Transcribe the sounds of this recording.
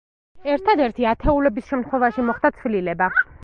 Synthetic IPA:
ɛɾt̪ʰad̪ɛɾt̪ʰiat̪ʰɛulɛbisʃɛmt̪ʰχwɛvaʃimɔχd̪at̪sʰvililɛba

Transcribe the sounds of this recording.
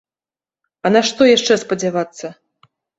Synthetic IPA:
ɐnaʂt̪ɔjaʂt͡ʂɛspɐd͡zʲavat̪sːɐ

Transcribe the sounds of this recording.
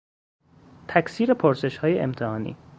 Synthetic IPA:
t̪ʰæksiːɾepʰoɾse̞ʃhɒːjeḛmt̪ʰehɒːnḭː

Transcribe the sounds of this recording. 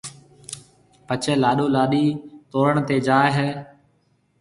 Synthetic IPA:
pət͡ʃɛːlaːɗoːlaːɗiːt̪oːɾəɳt̪eːd͡ʒaːɦɛː

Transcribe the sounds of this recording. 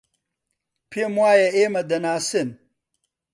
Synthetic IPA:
pʰemwaːjɐeːmɐd̪ɐnaːsen

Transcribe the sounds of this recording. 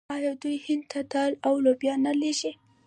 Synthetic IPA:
ɑjɑwd̪ujhɪnd̪̚t̪ʰat̪ɑlawlobjɑnaleʒi

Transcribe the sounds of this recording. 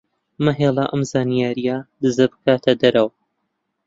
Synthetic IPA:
mɐɦeːlˠɐʔɐmzaːnijaːɾijad̪ɨzɐbɨ̥kaːt̪ʰɐd̪ɐɾɐw

